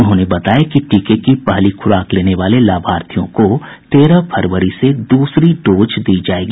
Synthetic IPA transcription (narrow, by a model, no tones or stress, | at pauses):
ʊnɦõːnebɐt̪aːjakiʈiːkekipɐɦlikʰʊɾaːkleːneʋaːlelaːbʱaːɾt̪ʰijõkot̪eːɾəpʰɐɾʋəɾised̪uːsɾiɖoːd͡ʒd̪iːd͡ʒaːeːɡi